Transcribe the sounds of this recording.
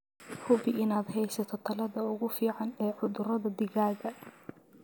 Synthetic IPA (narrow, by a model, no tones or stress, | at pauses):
hʊbɪʔɪnaːd̪ɦɛjsɐt̪ʰɔt̪ʰɐlɐðɐʊɣʊfiːʕɑnɛːʕʊðʊɾɐðɐd̪ɪɣaːɣɐ